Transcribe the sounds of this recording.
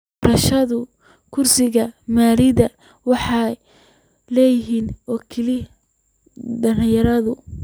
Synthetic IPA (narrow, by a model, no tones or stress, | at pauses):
bɾɐʃɐðʊ | kʰʊrsɪɣɐmaːlɪðɐ | wɑħɑj | lɛːjɪɦiːnɔːkʰɪli | dɐnjɐɾɐðʊ